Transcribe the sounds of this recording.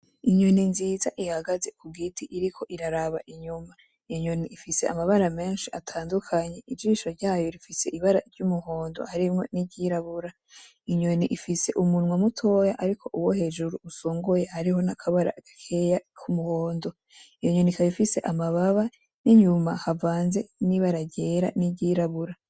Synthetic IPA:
iɲoninziːzaʔihaɡaze̞kuɡitʰiʔiɾikʰo̞ʔiɾaɾaβaʔiɲuma | ijoɲo̞niifise̞a̰maβaɾame̞ːnʃiatʰaːndukʰaɲe̞ʔid͡ʒiːʃoɾɟaːjo̞ɾifise̞ʔiβaɾaiɾɟumuho̞ːndo̞̰haɾimŋo̞niɟiɾaβuɾa | iɲo̞niʔifise̞ʔumunŋwamutʰo̞jaʔaɾikʰo̞ʔuwohe̞ːd͡ʒuɾuusoːŋɡojehaɾiho̞nakʰaβaɾa̰ɡ̥akʰe̞jakʰumuhoːndo̞ | ijo̞ɲo̞nikʰaβifise̞ʔamaβaβa | niɲumahavaːnze̞niβaɾaɟe̞ːɾa̰niɟiɾaβuɾa

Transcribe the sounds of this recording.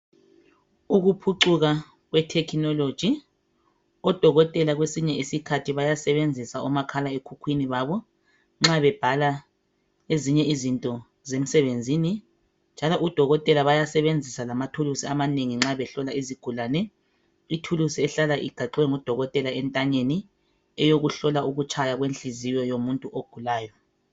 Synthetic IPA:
uɣupʰuǀuɣa | ɣwɛtʰɛkʰinɔlod̥ʒ̥ʱi | ɔd̥ʱɔɣɔtʼɛlaɣwesiɲɛʔisikʰatʰiβajasɛβend͡zʱisaɔmakʰalaekʰukʰwiniβaβɔ | ŋ͡ǁaβɛb̥ʱala | eziɲɛizintʼɔ | zem̩sɛβend͡zʱini | nd͡ʒʱalɔʔud̥ʱɔɣɔtʼɛlaβajasɛβend͡zʱisalamatʰulusiamaneŋiŋ͡ǁaβɛɬɔlaiziɡ̥ʱulaːnɛ | itʰulusiɛɬalaʔiɡʱaǃwɛŋud̥ʱɔɣɔtʼɛlaɛntʼaɲeni | ɛjoɣuɬɔlauɣut͡ʃʰʼajaɣwenɬʼizijɔjomuntʼuʔoɡ̥ʱulaːjɔ

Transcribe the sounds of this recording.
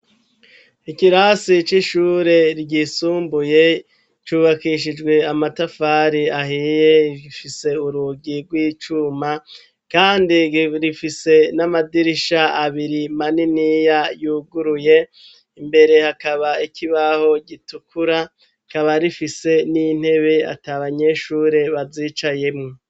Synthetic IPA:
ikiɾasit͡ʃiʃuɾe̞ɾɟisuːmbuje̞ | t͡ʃuːβakiʃ̬id͡ʒɡwe̞amatafaɾiaɦiːje̞iɡifise̞uɾuɡiɾɡwiːt͡ʃuma | kaːndiɾifise̞namadiɾiʃaaβiɾimaninijajuːɡuɾuje̞ | imbe̞ɾe̞hakaβaikiβaho̞ɟitukʰuɾa | kaβaɾifise̞nin̥he̞βe̞a̰taβaɲe̞ʃuːɾe̞βaziːt͡ʃaje̞mŋo

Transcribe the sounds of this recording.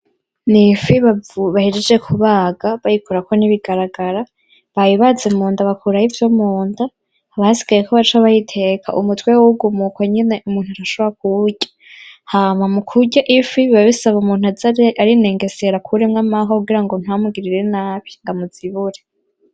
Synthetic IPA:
nifiβavuβahid͡ʒed͡ʒekʰuβaːɡaβajikuɾako̞niβiɡaɾaɡaɾa | βajiβazemuːndaβakʰuɾahivjomuːndaː | βasi̥ɡ̥ajekoβat͡ʃaβajitʰe̞kʰa̰ʔumutwewuɡumukwaɲineʔumuːn̥uaɾaʃoβoɾak̚uɟḁ | haːmamukʰuɟaʔifiββaβisaβumuːn̥uazaaɾine̞ŋɡe̞seɾakʰuɾeŋɡamaɦouɡiɾaŋɡo̞n̥hamuɡiɾiɾe̞naːβiŋɡamuz̥iβuɾe

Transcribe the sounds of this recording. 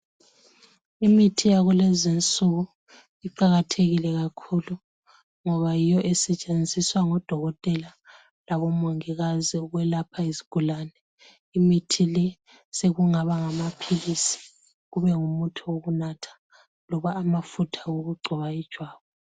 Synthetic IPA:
imitʰijaɣulezint͡sʼuɣu | iǃaɣatʰeɣilɛɣakʰulu | ŋɔβajijɔʔɛsɛt͡ʃʼend͡zʱiswaŋɔd̥ʱɔɣɔtʼɛla | laβɔmoŋiɣaziɣwɛlapʰaizi̥ɡ̥ʱulaːnɛ | imitʰilɛ | seɣuŋaβaŋamapʰilisi̥ | ɣuβɛŋumutʰuoɣunatʰḁ | lɔβaːmafutʰḁoɣuɡ͡ǀʱɔβaid̥ʒ̥ʱwaːβɔ

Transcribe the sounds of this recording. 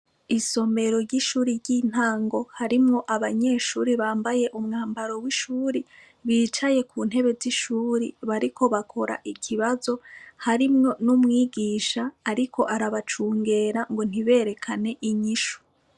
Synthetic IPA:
iso̞me̞ɾo̞ɾɟiʃuːɾiɾɟiːn̥aːŋɡo̞haɾimŋo̞ʔaβaɲe̞ːʃuːɾiβaːmbaje̞ʔumŋaːmbaɾo̞wiʃuːɾi | βiːt͡ʃaje̞kʰuːn̥he̞βe̞ziʃuːɾḭβaɾiko̞βakʰo̞ɾa̰ʔikʰiβazo̞haɾimŋo̞numŋiːɡiːʃaːɾikʰo̞ʔaɾaβat͡ʃuːŋɡe̞ːɾaŋɡo̞n̥iβe̞ːɾe̞kʰane̞ʔiɲiʃu̥

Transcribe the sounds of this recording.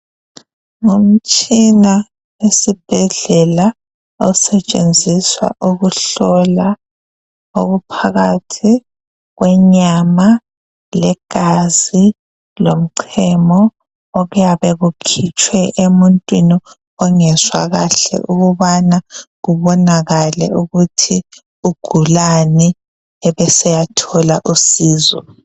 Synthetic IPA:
ŋum̩t͡ʃʼina | wesib̥ʱɛɮɛla | ɔsɛt͡ʃʼend͡zʱiswa̰ʔuɣuɬɔla | oɣupʰaɣatʰi | ɣwɛɲama | lɛɡ̥ʱazi | lom̩ǀʰɛmɔː | ɣujaβɛɣukʰit͡ʃʰʼwɛʔemuntʼwini | ɔŋɛzwaɣaɬɛ̰ʔuɣuβanaɣuβɔnaɣalɛ̰uɣutʰi | uɡ̥ʱulani | ɛβɛsɛjatʰɔlaʔusiːzɔ̰

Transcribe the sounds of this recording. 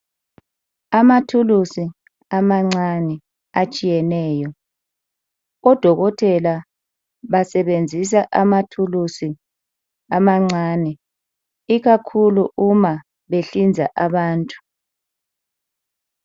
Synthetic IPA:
amatʰulusi | amaŋ͡ǀanɛ | at͡ʃʼijɛnɛːjɔ | ɔd̥ʱɔɣɔtʰʼɛla | βasɛβend͡zʱis̬aʔamatʰulusi | amaŋ͡ǀaːnɛ | iɣakʰuluʔuma | βeɬind͡zʱa̰ʔaβaːntʼu̥

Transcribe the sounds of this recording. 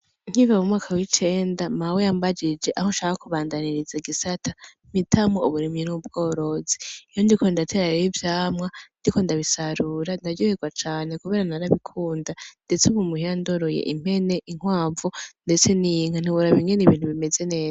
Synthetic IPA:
ŋ̥hivamumŋaːkawit͡ʃe̞ːndamawejambad͡ʒid͡ʒe̞ʔahoʃaːkakuβaːndaniɾizaiɡisatʰḁm̥itʰamouβuɾimɲinuub̚ɡo̞ːɾo̞ziijo̞ndiko̞ndatʰe̞ɾaɾeivjaːmŋandiko̞ndaβisaɾuːɾandaɾɟoheɡwat͡ʃaːne̞kuβe̞ɾanaɾaβikʰuːndande̞t͡seumumuhijandoɾo̞jḛʔim̥he̞ne̞ʔiŋ̥waːvunde̞t͡se̞niŋ̥an̥iβuɾaβiŋɡeniβiːn̥huβime̞ze̞ne̞ːza

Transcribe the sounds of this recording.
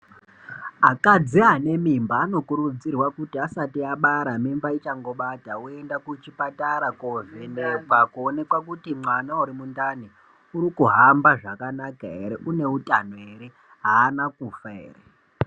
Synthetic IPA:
akad͡ziane̞mimbaːno̞kuɾud͡zirwakutiasatiaɓaɾamimbait͡ʃaŋɡo̞ɓataue̞ndakut͡ʃipataɾakovenepakuone̞kwakutimwanauɾimundani | uɾikuɦambaʐakanakaɦeɾeʔune̞utan̤oe̞ɾe̞ | ɦaːnakufaḛːre

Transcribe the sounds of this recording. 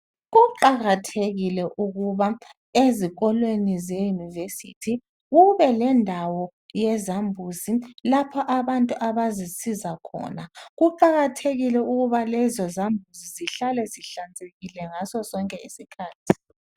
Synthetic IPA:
ɣuǃaɣatʰeɣilɛʔuɣuβa | eziɣɔlwenizɛjunivesḭtʰi | ɣuβɛlɛndʱawɔ | jɛzambʱuzilapʰɔʔaβantʼuʔaβazisizakʰɔ̰ːnaɣuǃaɣatʰeɣilɛuɣuβalɛzɔzambʱuziziɬalɛziɬand͡zʱeɣilɛŋasɔsɔŋkʼɛisikʰaːtʰi̥

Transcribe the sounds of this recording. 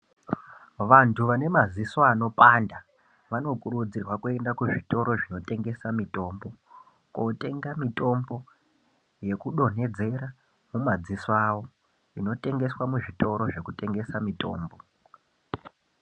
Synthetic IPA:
ʋantʰuʋane̞mazisoano̞panda | ʋano̞kuɾud͡zirwakue̞ndakuʐitʼo̞ɾo̞ʐino̞te̞ŋɡe̞samitʼo̞ːmbo̞ | kotʼe̞ŋɡamitʼo̞mbo̞ | je̞kuɗo̞ne̞d͡ze̞ɾa | mumad͡zisawo̞ | ino̞tʼe̞ŋɡe̞swamuʐitʼo̞ɾo̞ʐe̞kutʼe̞ŋɡe̞samitʼo̞̰ːmbo

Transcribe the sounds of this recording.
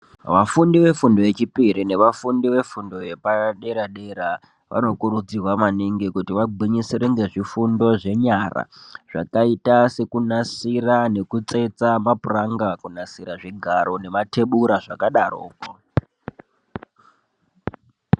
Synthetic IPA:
ʋafundiʋe̞fundojet͡ʃipiɾine̞ʋafundiʋe̞fundo̞je̞paɗe̞ɾaɗe̞ɾa | ʋʔa̰no̞kuɾud͡zirwamaniŋɡikutiʋaɡ͡bʱiɲisiɾenzeʐifundo̞ʐe̞ɲara̰ʐ̥a̰kaitase̞kunasirane̞kut͡se̞t͡samapuraŋɡakunasiɾaʐiɡʱaɾo̞ne̞mate̞ɓuɾaʐakaɗaro̰ːko

